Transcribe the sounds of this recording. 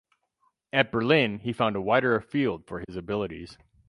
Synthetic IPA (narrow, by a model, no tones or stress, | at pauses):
ɨt̚b̥ə˞lɪ̃nifãʊ̃ndəwaɪɾə˞əfilˠd̥fə˞ɪzɨbɪlˠəɾḭz̥